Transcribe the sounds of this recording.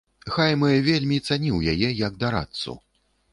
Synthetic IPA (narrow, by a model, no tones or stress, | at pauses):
xajmɨjvʲelʲmʲit̪sanʲiwjajɛjɐɡ̚d̪aɾa̰t̪sṵ